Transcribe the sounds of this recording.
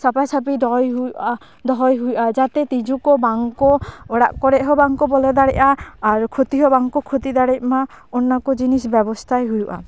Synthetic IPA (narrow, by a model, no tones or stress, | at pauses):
sɔpajt͡ʃʰap̬id̪ɔjɦujuʔa | d̪ɔɦɔjɦujuʔad͡ʒat̪ɛt̪id͡ʒukɔbaŋkɔɔɽa̰ʔkɔɽɛʔɦɔbaŋkɔbɔlɔd̪aɽɛʔaːɾkʰot̪iɦɔbaŋkɔkʰot̪id̪aɽɛt̪̚ma | ɔnːakɔd͡ʒinisbɛbɔst̪ʰajɦujuʔa̰